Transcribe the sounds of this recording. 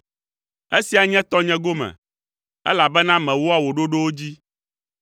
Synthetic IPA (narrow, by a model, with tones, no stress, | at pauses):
e˦si˨a˨ɲɛ̃˦t̪ɔ˦ɲɛ̃˦ɡo˦mɛ̰̃˨ | ɛ̰˦la˨bɛ˦nã˦mɛ̃˨wo˦a˦wo˨ɖo˦ɖo˦wo˦d͡ʑi˦